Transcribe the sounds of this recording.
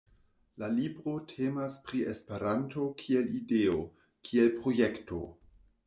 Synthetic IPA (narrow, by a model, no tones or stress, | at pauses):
lalibɾo̞tʰemaspɾiespe̞ɾanto̞kʰie̞lideo | kʰielpɾojekto̞̰